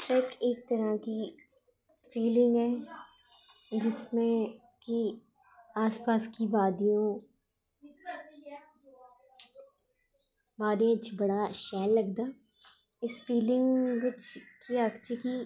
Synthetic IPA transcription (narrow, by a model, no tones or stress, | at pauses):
eːkeːk̚t̪əɾaːki | fʰiːlɪ̃ŋɡɦɛː | d͡ʒɪsmẽ | ki | aːspaːskibaːd̪ijõː | baːd̪jõːt͡ʃbɐɽaːʃɛːlːəɡd̪aː | ɪspʰiːlɪ̃ŋɡʋɪt͡ʃkiakt͡ʃːkiː